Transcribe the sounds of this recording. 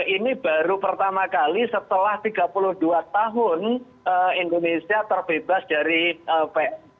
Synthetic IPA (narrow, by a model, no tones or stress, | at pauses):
inib̥aɾupərt̪amakalisət̪əlaht̪iɡa̤pulʊhd̥uat̪aɦʊn | əindonesiat̪ərb̥ebasd̥aɾiəpɛʔ